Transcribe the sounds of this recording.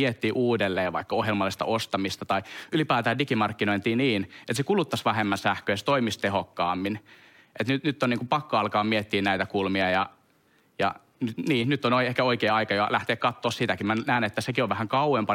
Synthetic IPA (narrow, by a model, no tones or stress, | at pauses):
iet̪ːiːʔuːdelːeːʋʋɑ̰ikːɑohjelmɑlːˑist̪ɑ̰ʔost̪ɑmist̪ɑt̪ɑiylipæːt̪æːdikimɑrkːinoint̪iːniːnʔet̪sekulut̪ːɑsʋæhemːænsæhkøjse̥t̪oimist̪ehokːɑːmːin | ʔet̪nyt̪nyt̪ːoniːŋkupɑkːoɑlkɑːmmiet̪ːiːnnæit̪ækulmiɑjɑ | jɑ̰ | nyt̪niːnyt̪ːonoiehkæoikeːɑikɑjoɑlæht̪eːkkɑt̪ːoːssit̪ækimænæːnet̪ːæsekioʋʋæhæŋkɑuwempɑ